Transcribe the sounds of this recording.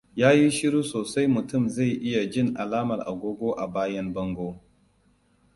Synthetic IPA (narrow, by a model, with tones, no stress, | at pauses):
jaː˦ji˦ʃɪ˦ɽuː˦soː˨sa˦jmʊ˨tʊ˦˨mza˦˨jʔɪ˦ja˨d͡ʒɪ˦˨ŋʔa˨laː˦mɐ˨rʔa̰˨ɡʷoː˦ɡʷoː˦ʔa˨baː˦jɐ˦mbɐ˦ŋɡʷoː˦